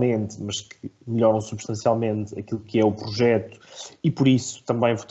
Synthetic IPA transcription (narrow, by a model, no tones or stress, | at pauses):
mẽnt̪mɐʃkʰɨmɨʎɔɾɐ̃w̃suβʃt̪ɐ̃sialˠmẽnt̪ɐ̰kilˠukɨɛupɾuʒɛt̪u̥ipuɾisu̥t̪ɐ̃mbɐ̃j̃vut̪